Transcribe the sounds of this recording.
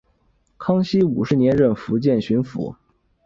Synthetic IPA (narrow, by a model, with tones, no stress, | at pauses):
kʰɑ˥ŋɕi˥u˨˩ʂɻ̩˧˥njɛ˧˥nɻə˥˩nfu˧˥t͡ɕjɛ˥˩nɕy˧˥nfṵ˧˥